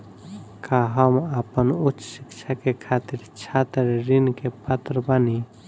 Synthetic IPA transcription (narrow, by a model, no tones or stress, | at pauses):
kaɦəməpənut͡ʃːsikt͡ʃʰakekʰat̪iɾt͡ʃʰat̪iɾɾinkepət̪ɾəbəni